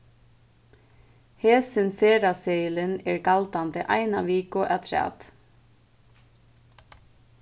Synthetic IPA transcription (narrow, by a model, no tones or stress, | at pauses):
heːsɪnfeːɾasejlɪnɛɹkalt̪ant̪əʔa̰jnaviːkʊʔat̪ʰɾæ̰ːt̪